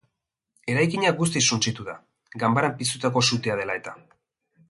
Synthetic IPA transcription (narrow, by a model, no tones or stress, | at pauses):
e̞ɾajkiɲaɡus̬t̪isunt͡ʃit̪uða | ɡambaɾampist̪ut̪ako̞sut̪iað̞e̞lae̞t̪a